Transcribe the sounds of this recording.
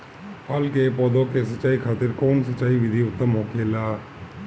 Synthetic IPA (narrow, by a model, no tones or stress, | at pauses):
haːlkepɔːd̪õkesətːt͡ʃːʃaːikʰaːt̪ɪɾkɔːnsət͡ʃːaːiʋɪd̪ʱiʊt̪ːəmɦoːkeːlaː